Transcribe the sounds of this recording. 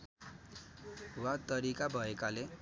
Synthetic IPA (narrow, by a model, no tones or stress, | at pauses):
wat̪ʌɾikabʱʌekale